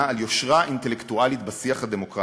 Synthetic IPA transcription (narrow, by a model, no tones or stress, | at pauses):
aljo̞ʃʁaʔint̪elekt̪ualit̪basiaχhad̪emo̞kʁa